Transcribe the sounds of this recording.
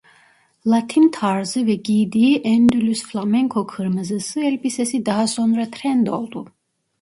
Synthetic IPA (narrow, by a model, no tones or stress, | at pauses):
lˠat̪ʰint̪ʰaɾzɯvɛɟijd̪iiʔɛnd̪ylʲysflˠamɛŋkʰokʰɯɾmɯzɯsɯɛlʲbisɛsid̪aɦasonɾat̪ʰɾɛnd̪o̞lˠd̪u